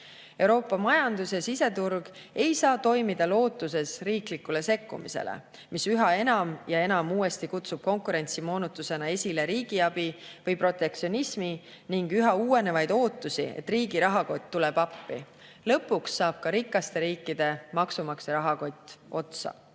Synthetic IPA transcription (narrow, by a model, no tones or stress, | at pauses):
e̞wɾo̞ːpːˑɑmɑjɑnd̪usesise̞t̪urɡ̥e̞jsɑːt̪o̞jmid̪ɑlo̞ːt̪ːˑus̬e̞sriːklikːule̞se̞kːṵmḭse̞̰lḛ | misyɦɑe̞nɑmjɑe̞nɑmuːe̞st̪ikut̪sub̥̚ko̞ŋkuɾe̞nʲt̪simo̞ːnut̪ːˑuse̞nɑe̞sʲile̞ɾiːɡ̥iɑb̥ivɤjpro̞t̪ːˑe̞k̚tsio̞nʲismi | niŋɡyɦɑuːe̞ne̞vɑjd̪̥o̞ːt̪ːˑusḭḛt̪ːriːɡiɾɑɦɑko̞t̪̚ʲt̪ːule̞b̥ɑpːḭ | lɤ̞pːuksːɑːb̥̚kɑɾikːˑɑst̪e̞ɾiːkːid̪̥e̞mɑksumɑkseɾɑɦɑko̞t̪ʲːˑo̞t̪sɑ̰